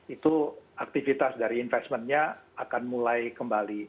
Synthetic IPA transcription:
it̪uak̚t̪ifit̪asdaɾiːnfɛst̪mənɲaakanmulajkəmbali

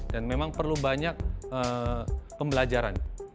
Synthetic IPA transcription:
danmemaŋpərlubaɲak̚ə | pəmbəlad͡ʒaɾan

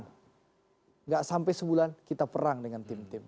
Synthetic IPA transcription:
n | ŋɡaʔsampɛjsəbulankit̪apəɾaŋdəŋant̪ɪmt̪ɪm

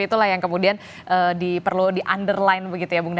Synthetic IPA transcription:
it̪ulahjaŋkəmudian | ʔəːdipərludiʔandərlaɪnbəɡit̪ujabuŋd

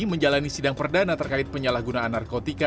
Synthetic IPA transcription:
məɲd͡ʒalanisidaŋpərdanat̪ərkaɪt̪̚pəɲalahɡunaːnːarkot̪ika

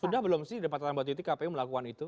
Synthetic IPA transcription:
sudahbəlʊmsɪhidapat̪anbat̪it̪ikapɛjuməlakukanit̪u

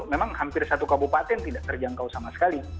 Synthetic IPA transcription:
memaŋhampɪrsat̪ukabupat̪ɛnt̪idaʔt̪ərd͡ʒaŋkawsamasə̥kali

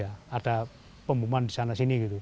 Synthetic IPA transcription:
aata | pəmbumandisanasiniɡit̪u

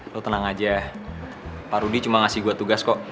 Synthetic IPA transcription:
lot̪ənaŋad͡ʒa | paɾudit͡ʃumaŋasɪhɡuat̪uɡaskɔʔ

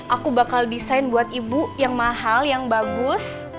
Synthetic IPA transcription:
ʔakubakaldisajnbuat̪ibujaŋmaɦaljaŋbaɡʊs

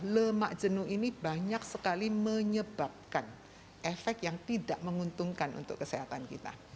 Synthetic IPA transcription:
ləma̰ʔd͡ʒənuinibaɲak̚səkaliməɲəbap̚kan | efɛk̚t̪̚jaŋt̪idaʔməŋunt̪ʊŋkanʔṵnt̪ʊ̰kːəsiɦat̪ankḭt̪a̰

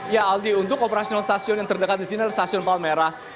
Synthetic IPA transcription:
jaald̪iunt̪ʊkopeɾasiɔnalst̪asiɔnjaŋt̪ərdəkat̪̚disinialast̪asiɔnpalmeɾa

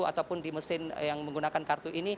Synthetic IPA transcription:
ua̰t̪awpʊndiməsɪnjaŋməŋɡunakankart̪uʔini

